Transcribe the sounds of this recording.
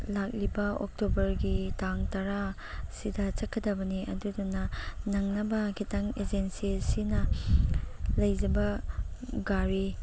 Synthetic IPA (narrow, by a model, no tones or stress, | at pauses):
lak̚libɐok̚tobɐɾɡitaŋtɐɾa | sidɐt͡ʃɐkʰːɐdɐbɐniɐ̰dudunɐnɐŋnɐbɐkitɐŋed͡ʒensisinɐ | lɐjd͡ʒɐbɐ | ɡaɾi